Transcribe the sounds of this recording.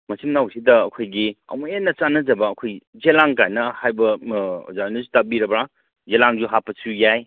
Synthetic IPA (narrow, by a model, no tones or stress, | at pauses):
mɐsʰimnawsidɐːkʰojɡiɐ̰wmenːɐt͡ʃanɐd͡ʒɐbɐːkʰojzelaŋkajnɐhajbɐzanɐzutabiɾɐbɾa | zelaŋzuɦapɐsujaj